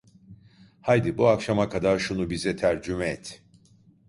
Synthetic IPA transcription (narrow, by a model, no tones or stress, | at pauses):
hajd̪ibuakʃamakʰad̪aɾʃunubizɛt̪ʰæɾd͡ʒymɛɛt̪ʰ